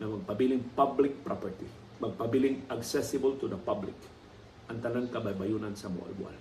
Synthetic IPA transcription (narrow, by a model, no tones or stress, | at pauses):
nɐmɐɡ̚pɐbilɪŋpablɪk̚pɾapɛɹt̪i | mɐɡ̚pɐbilɪŋʔɐksɛsɪbəlt̪ʊd̪ɐpablɪ̰k | ʔɐŋt̪ɐnaŋkɐbɐjbajunansɐmʊ̰ʔa̰lbʊʔa̰l